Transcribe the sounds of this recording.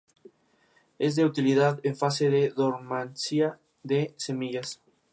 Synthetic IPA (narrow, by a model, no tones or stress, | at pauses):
ezðeut̪ilið̞aðeɱfaseðeðoɾmansia | ðesemiʎas